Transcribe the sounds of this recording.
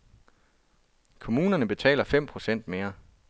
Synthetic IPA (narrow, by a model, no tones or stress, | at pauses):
kʰo̝muːnɐnəb̥e̝t͡sʰɛ̰ːlɐfem̰pʰʁo̝sen̰d̥̚me̝ːɐ